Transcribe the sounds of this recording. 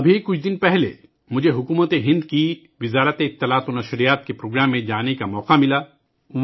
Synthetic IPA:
ɐbʱikʊt͡ʃʰd̪ɪnpɛɦlḛ | mʊd͡ʒʱeɦʊkuːmət̪eɦɪ̃nd̪ki | ʋɪzaːɾət̪eɪt̪ːɪlaːt̪onɐʃɾijaːt̪̚kepɾoːɡɾaːmːẽd͡ʒaːnekamɔːqamɪlaː

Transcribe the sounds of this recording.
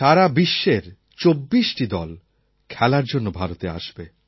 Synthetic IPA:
ʃaɾabiʃːeɾ | t͡ɕobːiʃʈid̪ɔl | kʰɛlaɾd͡ʑonːobʱaɾot̪ea̰ʃbe

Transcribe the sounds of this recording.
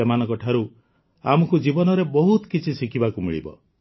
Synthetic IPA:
emanɔŋkɔʈʰaɾu | a̰mɔkud͡ʒibɔnɔɾebɔɦut̪ɔkit͡ʃʰisikʰibakumḭɭḭbɔ̰

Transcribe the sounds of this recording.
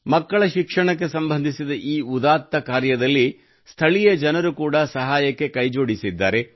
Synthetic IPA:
mɐkːɐɭɐʃikʂɐɳɐk̬ːe̞sɐmbʱɐnd̪ʱisid̪ɐʔiːud̪aːt̪ːɐkaːɾjɐd̪ɐlːi | st̪ʰɐɭijɐd͡ʒɐnɐɾukuːɽɐsɐɦaːjɐkːe̞kɐjd͡ʒoːɽisid̪ːa̰ːɾe̞

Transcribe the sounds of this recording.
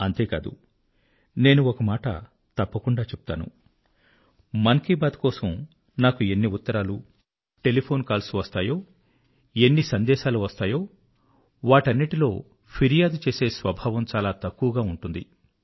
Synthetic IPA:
ɐnt̪e̞ːka̰ːd̪ṵ | ne̞ːnuɔkɐmaːʈɐ̰ | t̪ɐpːɐkuɳɖaːt͡ʃep̚ut̪a̰ːnṵ | mɐnkiːbaːd̪kɔːsɐm | naːkue̞nːiut̪ːɐɾaːlu | ʈe̞lipʰo̞ːnkaːlsuʋɐst̪aːjo̞ː | e̞nːisɐnd̪ɛːʃaːluʋɐst̪aːjo̞ː | ʋaːʈɐnːiʈilo̞ː | pʰiɾijaːd̪ut͡ʃe̞ːse̞ːsʋɐbʱaːʋɐmt͡ʃaːlaːt̪ɐkːuʋɐɡaːuɳʈund̪ḭ

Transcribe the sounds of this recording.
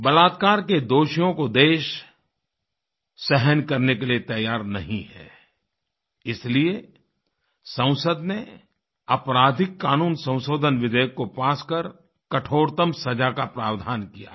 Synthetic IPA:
bɐlaːt̪̚kaːɾked̪oːʃijõkod̪eːʃ | sɛɦənkɐɾnekeliet̪ɐjaːɾnɐɦĩɦɛ̰ː | ɪslie | sə̃w̃səd̪ne | ɐpɾaːd̪ʱɪkːaːnuːnsɐ̃w̃soːd̪ʱənʋɪd̪ejəkːopaːskəɾ | kɐʈʰoːɾt̪əmsɐd͡ʒakapɾaːʋd̪ʱaːnkija̰ː

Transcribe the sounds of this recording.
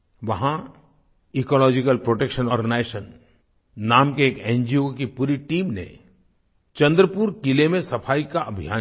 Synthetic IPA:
ʋɐɦã | ikɔːlɔːd͡ʒɪkəlpɾoːʈekʃənɔːɾneːʃənː | aːmkeːkẽːnd͡ʒiokipuːɾiʈiːmnḛ̃ | t͡ʃɐ̃nd̪ɾəpuːɾkɪlemẽsɐpʰaːikaʔɐbʱija̰ː

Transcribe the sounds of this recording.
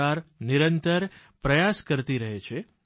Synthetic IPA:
aɾniɾənt̪əɾ | pɾəjaskəɾt̪iɾəɦet͡ʃʰe

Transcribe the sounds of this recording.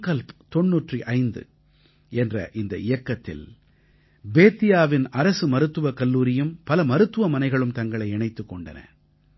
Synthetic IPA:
kɐlpt̪ɔɳːuːʈriʔɐɪnd̪ɯ̰ | ɛndrɐ̰ʔɪnd̪ɐ̰ʔɪjɐkːɐt̪ːɪ̰l | beːt̪ːɪjaːʋɪnɐɾɐsɯmɐɾɯt̪ːɯʋɐkɐlːuːɾɪjɯmpɐlɐmɐɾɯt̪ːɯʋɐmɐnɐɪɣɐɭɯmt̪ɐŋɡɐɭɐɪɛɳɐɪt̪ːɯkːɔɳɖɐnɐ̰

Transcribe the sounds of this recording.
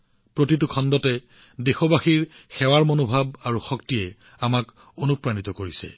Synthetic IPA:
pɹotit̬ukʰɔndɔtɛ | dexɔbaxiɹxɛwaɹmonobʱabaɹuxɔktijɛ | amak | onupɹanit̪ɔkoɹisɛ̰

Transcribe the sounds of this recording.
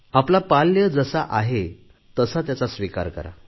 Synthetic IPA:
aplapaljəd͡zəsaʔaɦe | t̪əsət̪jat͡sasʋika̰ɾkə̰ɾa̰

